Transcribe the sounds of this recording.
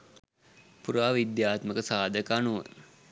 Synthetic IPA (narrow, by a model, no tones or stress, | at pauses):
puɾaːʋid̪jaːt̪məkəsaːd̪əkanuʋə̰